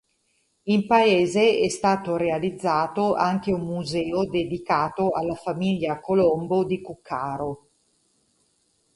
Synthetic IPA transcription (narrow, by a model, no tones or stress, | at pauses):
impaeːzeɛst̪aːt̪oɾealid̪zːaːt̪oʔaŋk̟eumːuzɛːod̪ed̪ikaːt̪oalːafamiʎːakolombod̪ikukʰːaːɾo